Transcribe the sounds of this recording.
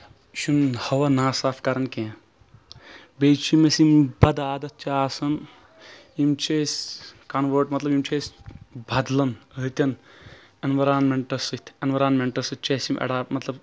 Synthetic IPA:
ʃunhɐʋɐnaːsaːfkɐɾɐnkẽː | beːt͡ʃʰimɐsimbɐd̪aːd̪ɐt̪̚t͡ʃaːsɐn | jimt͡ʃʰeːsʲkɐnʋəːʈmɐt̪lɐbjimt͡ʃʰeːsʲbʱɐd̪lɐnət̪ʲɐn | enʋɐɾaːnmeɳʈɐsɨt̪ʰʲenʋɐɾaːnmeɳʈɐsɨt͡ʃɐsimʔɐ̰ɽaːpmɐt̪lɐb

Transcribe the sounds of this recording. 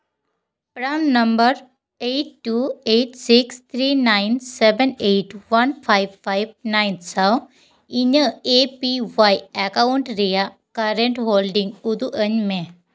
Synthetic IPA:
pɽannɐmbəɾ | eʈːueːʈsikst̪ʰɾiːnajnsebeneʈʋɐnpʰajʋfajb̚najnsaw | iɲəepiʋajɛkawɳʈɾija | kɐɾeɳʈɦoːlɖĩŋɡud̪uʔəɲmẽ

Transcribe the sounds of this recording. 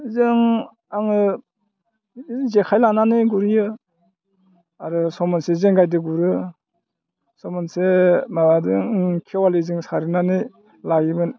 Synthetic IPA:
zɯŋ | aŋɯ | zekʰajlananiɡuɾijɯ | aɾɯsɔmɔnsezeŋɡajdɯɡuɾɯ | sɔmɔnsemabadɯŋkʰewalɯzɯŋsaɾɯnanɯ | laɡibɯn

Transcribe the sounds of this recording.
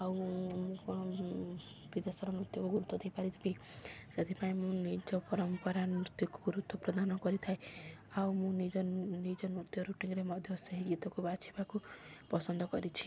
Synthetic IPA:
awmũ | bid̪ɔsɔɾɔnɾut̪jɔkuɡuɾut̪ʰːɔd̪ejpaɾit̪ʰiki | set̪ʰipaĩmũnid͡ʒɔpɔɾɔmpɔɾanut̪jɔkɔɡuɾut̪ʰːɔpɾɔd̪ʱanɔkɔɾit̪ʰaeawmũnid͡ʒɔnid͡ʒɔnut̪jɔɾuʈiŋɾemɔd̪ʱjɔseɦiɡit̪ɔkubat͡ʃʰibakupɔsɔnd̪ʱɔkɔɾit͡ʃʰi̥

